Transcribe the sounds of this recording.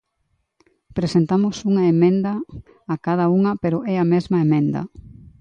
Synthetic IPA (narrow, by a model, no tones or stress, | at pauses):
pɾesent̪amosuŋɐemẽnd̪ɐː | kað̞ɐuŋɐpeɾoʔɛɐmezmɐemẽnd̪ɐ̰